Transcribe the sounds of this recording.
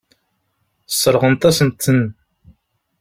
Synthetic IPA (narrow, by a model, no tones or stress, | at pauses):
sˤːəɾˤʁənt̪æsənt̪ːən